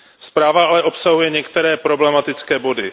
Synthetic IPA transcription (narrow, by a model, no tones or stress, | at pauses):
spɾaːvaʔalɛʔo̞psaɦujɛɲɛkt̪ɛɾɛːpɾo̞blɛmat̪ɪt͡skɛːbo̞dɪ